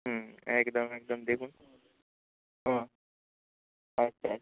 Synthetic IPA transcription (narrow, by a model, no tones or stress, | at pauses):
ɦəekd̪əmek̚d̪əmd̪ekʰun | ɦə̃ | ɐtːʰa